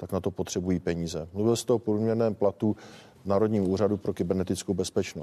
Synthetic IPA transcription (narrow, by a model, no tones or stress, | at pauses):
t̪aknat̪o̞pot̪r̝̥ɛbujiːpɛɲiːzɛmluvɪlst̪ɛopɾuːmɲɛɾnɛːmplat̪u | naːɾo̞dɲiːmʔuːradupɾo̞kɪbɛɾnɛt̪ɪt͡skowbɛspɛt͡ʃnos